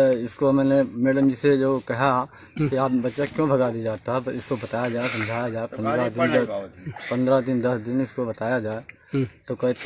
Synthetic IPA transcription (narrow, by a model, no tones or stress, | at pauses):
ɪskomɛːnemeɽə̃nd͡ʒised͡ʒoːkɐɦa | kiaːpbɐtːʃakjõbʱɐɡaːd̪id͡ʒaːt̪aɦɛt̪oɪskobɐt̪aːjad͡ʒaːesɐ̃md͡ʒʱaːjad͡ʒaːepɐ̃nd̪ɾad̪ɪnd̪pɐ̃nd̪ɾad̪ɪnd̪ɐsd̪ɪnɪskobɐt̪aːjad͡ʒaːe | t̪oːkɐt̪